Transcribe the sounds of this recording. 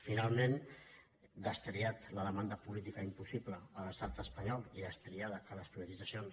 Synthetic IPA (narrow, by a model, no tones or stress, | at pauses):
finalˠmẽn | d̪əst̪ɾiat̪ləðəmand̪əpulit̪ikəimpusipləələst̪at̪əspəɲɔlˠiðəst̪ɾiaðəkələspɾiβət̪id̪d͡zəsions